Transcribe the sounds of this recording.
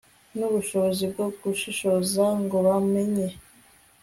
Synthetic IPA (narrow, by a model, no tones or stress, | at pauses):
nuβuʃo̞βozib̚ɡoɡuʃiʃozaŋɡoβameɲe